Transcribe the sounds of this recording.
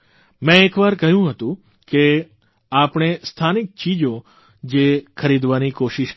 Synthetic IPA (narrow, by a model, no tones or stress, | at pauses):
mɛ̃ekʋaɾkəɦjũɦət̪ũ | ke | apɳ̃est̪ʰanik̚t͡ʃid͡ʒo | d͡ʒekʰəɾid̪ʋanikoʃiʃ